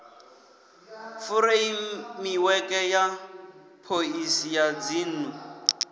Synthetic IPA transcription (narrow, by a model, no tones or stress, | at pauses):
fʊɾeimiwɛkʼɛja | pʰoisijad͡ziːn̩u